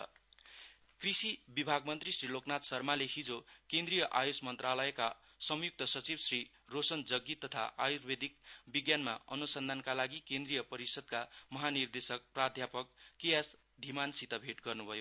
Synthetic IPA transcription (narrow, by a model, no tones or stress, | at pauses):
krisibibʱaɡmʌnt̪risriloknat̪sʌrmalehid͡zokend̪rijʌʔajosmʌnt̪ralʌeka | sʌmjuk̚t̪ʌsʌt͡sibsri | rosʌnd͡zʌɡːit̪ːʌt̪ʰa̰ʔajurbed̪ʱikbiɡjanma̰ʌ̰nusʌnd̪ʱankalaɡikẽnd̪rijʌpʌɾisʌd̪̚kamʌɦanird̪esʌk̚prad̪ʱjapʌk̚ːijas | d̪ʱimansit̪ʌbʱeʈɡʌrnubʱʌjo